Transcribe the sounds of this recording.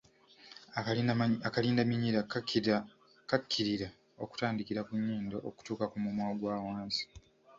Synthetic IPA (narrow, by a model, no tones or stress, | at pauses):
aakaliːndamiɲiɾa | kakʰːiɾiɾa | oku̥taːndikiɾakuɲːiːndoʔoku̥tuːkakumumwaːɡwaːwaːnsi̥